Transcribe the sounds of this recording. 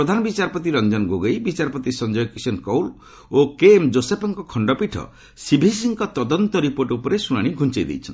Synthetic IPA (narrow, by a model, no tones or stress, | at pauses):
ɾɔd̪ʱanɔbit͡ʃaɾpɔt̪̬iɾɔnd͡ʒɔnɡoɡejbit͡ʃaɾɔpɔt̪isɔnd͡ʒɔjɔkisɔnkɔwl | okemd͡ʒosepʰɔŋkɔkʰɔɳɖɔpiʈʰɔ̰ | sibʱisiŋkɔt̪ɔd̪ɔnt̪ɔɾipoɾʈupɔɾesuɽ̃aɽ̃iɡʱunt͡ʃejd̪ḛjt͡ʃʰɔn